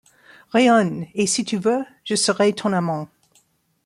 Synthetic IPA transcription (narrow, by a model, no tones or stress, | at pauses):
ʁeɔnesit̪ʰyvø | ʒ̥əsəʁɛt̪ʰɔ̃namɑ̃